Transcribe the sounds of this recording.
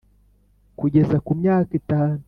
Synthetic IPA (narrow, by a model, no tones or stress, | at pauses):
kuɟe̞zakumɲaːkitaːnu